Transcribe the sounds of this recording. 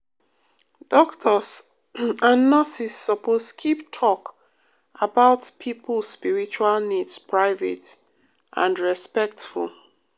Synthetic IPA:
d̥ɔktʰɔs | anːasisːɔposkʰiptʰɔk | abaʊtpʰipʰlspiɹit͡ʃualnidspʰɹaɪvɛ̰t | ʔã̰nɹɛspɛk̚tfṵl

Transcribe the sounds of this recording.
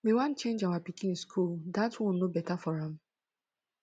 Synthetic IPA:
wiwãnt͡ʃẽnd͡ʒawapikĩnskʰuldatwɔ̃nobɛtafɔɹãm

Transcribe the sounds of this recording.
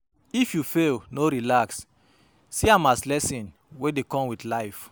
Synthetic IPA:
ifjufelnoɾilaksː | iamaslɛsĩn | wedekɔ̃mwidlaɪf

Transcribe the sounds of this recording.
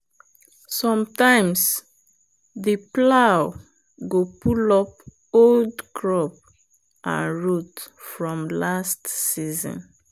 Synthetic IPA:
sɔ̃mtãɪ̃ms | ðəplaʊ | ɡopulɔp̚ | oldkʰɹɔp̚ | ã̰nɹutfɹɔ̃mlastsizɔ̰̃n

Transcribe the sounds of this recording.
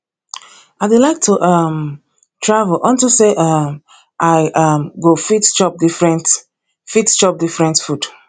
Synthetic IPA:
aɪdulaɪk̚tʰuʔʌm | tʰɹavəlʔɔ̃ntuseʔʌm | ʔaɪʔʌmɡofitt͡ʃɔp̚difɹɛ̃nt | fitt͡ʃɔp̚difɹɛ̃ntfud̥

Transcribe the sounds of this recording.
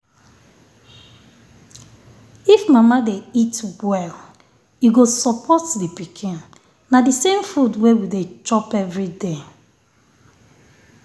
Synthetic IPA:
ifmamadeitwɛl | iɡosɔpʰɔtdipikʰĩn | nadisẽmfudwewidet͡ʃɔpɛvɹide

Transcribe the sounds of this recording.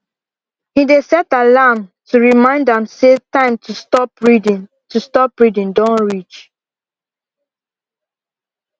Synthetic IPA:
hidesɛtalamtʰuɹimãɪ̃ndãmsetãɪ̃mtʰustɔpɹidi | tustɔpɹidĩndɔ̃nɹit͡ʃ

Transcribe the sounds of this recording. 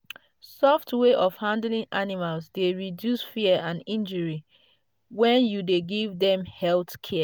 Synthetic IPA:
sɔftweʔɔfhãndlĩŋʔanimalsdeɹidjusfiəãnĩnd͡ʒəɹi | wɛ̃njudeɡivdɛ̃mhɛltkʰɛ

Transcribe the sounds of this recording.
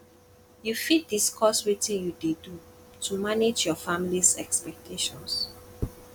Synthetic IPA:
jufit̚diskʰɔsɹitĩnjudedu | tʰumaned͡ʒjɔfamilisɛ̰kspɛk̚tʰeʃɔ̃ns

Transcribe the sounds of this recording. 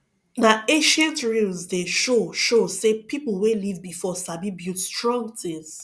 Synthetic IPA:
naẽʃɛ̃ntɹilzdeʃoʃosepipl̩ˠwelivbifɔsabibjutstɹɔ̃ŋtʰiz

